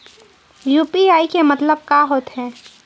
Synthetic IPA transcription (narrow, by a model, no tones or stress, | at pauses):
juːpiaːikemɐt̪ləb̚kaɦoːt̪ɦɛː